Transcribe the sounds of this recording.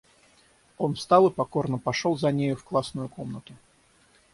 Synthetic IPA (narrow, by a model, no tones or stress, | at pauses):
o̞nfst̪alˠɨpɐko̞rnəpɐʂolˠzɐnʲejʊfklˠasnʊjʊko̞mnət̪ʊ